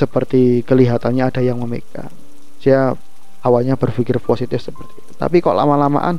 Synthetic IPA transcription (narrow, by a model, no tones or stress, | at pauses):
səpərt̪ikəliɦat̪anɲaːd̥ajaŋməmek̚a̰ | d͡ʒ̥ia | awalɲabərfikɪrposit̪ɪfsəpərt̪iːt̪u̥t̪a̰pikaoʔla̰malama̰ʔa̰n